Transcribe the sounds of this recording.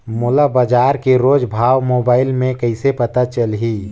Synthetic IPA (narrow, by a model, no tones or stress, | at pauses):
mʊlabəd͡ʒaːɾkeɾoːd͡ʒbʱaːwmoːbaːɪlmẽkəɪsepət̪at͡ʃəlɦi